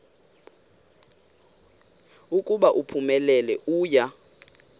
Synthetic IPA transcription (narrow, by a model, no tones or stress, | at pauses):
ukʼuɓaʔupʰumɛlɛlɛʔuːja